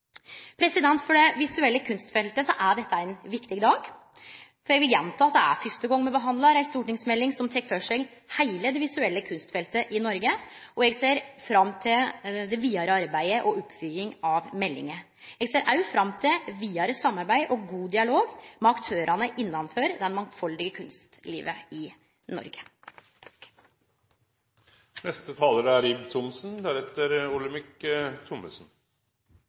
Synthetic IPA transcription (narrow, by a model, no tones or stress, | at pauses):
pʰɾɛsɪd̪ɛnt̪fɔɖɛʋɪsʉɛlːəkʰʉnst̪fɛlt̪əsɔʔæɖɛt̪ːəæɪnʋɪkt̪ɪɡd̪ɑːɡ | fɔɾjɛɡʋɪljɛnt̪ʰɑːɑt̪̚d̪ɛæ̰ɾfœst̪əɡɔŋːmɛbəɦɑnd̪lɑɾæɪst̪uːʈɪŋsmɛlːɪŋsɔmt̪ʰɛkːfœʂɛɡ | hæɪləd̪ɛʋɪsʉɛlːəkʰʉnst̪fɛlt̪əʔɪnɔɾɡəɔɛɡseːɾfɾɑmːt̪ʰɪld̪ɛʋiːɑɾəɑɾbæɪəʔɔɔpːfʏːɪŋɑʋmɛlːɪ̰ŋə | ɛɡseːɾʔɑʉfɾɑmːt̪ʰɪlʋiːɑɾəsɑmːɑɾbæɪʔɔɡuːd̪ɪɑloːɡmɛɑkt̪ʰøːɾʔɑnəʔɪnːɑnføːɾd̪ɛnmɑŋfɔld̪ɪɡəkʰʉnst̪lḭːʋəɪ | nɔ̰ɾɡə̥ | nɛst̪ət̪ʰɑːləɾəæɾibt̪ʰʊmsnd̪æɾɛt̪əɾʊləmɪkət̪ʰʊməsn̩